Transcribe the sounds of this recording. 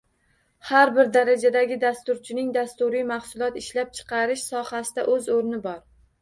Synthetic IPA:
haɾbɪɾd̪aɾad͡ʒad̪aɡʲɪd̪ast̪ʊɾt͡ʃʰɪnɪŋd̪ast̪ʊɾijmahsʊlˠɒt̪ɪʃlap̚t͡ʃʰɨ̥qʰɑɾɪʃsɒhasɪd̪aʔɵzoɾnɪbɒɾ

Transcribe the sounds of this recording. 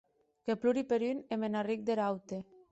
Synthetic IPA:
kepluɾipeɾynemenarik̚d̪eɾawt̪e

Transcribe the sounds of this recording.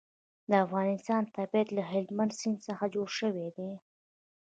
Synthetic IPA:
d̪əafɣɑnɪst̪ɑnt̪abijat̪laɦɪld̪mand̪sinsəxad͡ʒoɽʃəwed̪e

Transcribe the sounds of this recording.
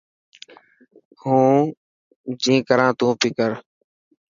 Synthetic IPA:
hũː | d͡ʒĩːkəɾãːt̪ũːpɪkəɾ

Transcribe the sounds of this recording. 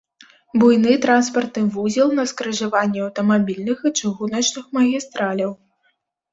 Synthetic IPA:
bujnɨt̪ɾanspɐrt̪nɨvuzʲilˠnɐskɾɐʐavanʲːɛɐwt̪ɐmabʲilʲnɨxɨt͡ʂɨɣunɐt͡ʂnɨxmɐɣʲist̪ɾalʲɐw

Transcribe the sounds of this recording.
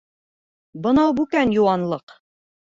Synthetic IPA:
bɤ̆nɑwbʉkænjuwɑnlˠɤq

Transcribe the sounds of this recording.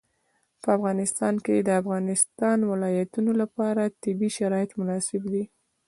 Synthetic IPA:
pəafɣɑnɪst̪ɑnked̪əafɣɑnɪst̪ɑnwɪlɑjat̪unolapɑɾat̪ɪbiʃaɾɑjɪt̪mʊnɑsɪbd̪i

